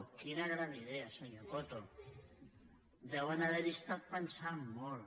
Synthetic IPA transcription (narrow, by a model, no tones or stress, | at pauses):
kinaɣɾaniðeasoɲokot̪o | d̪ɛwenaβeɾist̪at̪̚pensammol